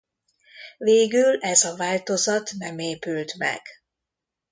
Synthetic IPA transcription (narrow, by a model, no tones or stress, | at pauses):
veːɡylɛzɒvaːlt̪o̞zɒt̪nɛmeːpylt̪mɛ̰ɡ̥